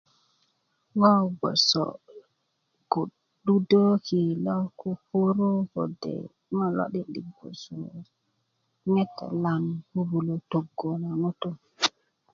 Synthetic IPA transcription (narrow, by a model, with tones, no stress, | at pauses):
ŋɔ˦ɡo̰˨so̰˨ | ɡu˨ | ɗu˦do˦ki˨lɔ˦ku˦fo˦ɾo˦ko̰˨dḛ˨˦ | ma˦lo̰˦ɗi˦ɗi˨ɡo̰˨so˨ | ŋe˦tːḛ˨la˨nhu˦bu˨lo˨to˨ɡːo˨na˨ŋo˦tu˦m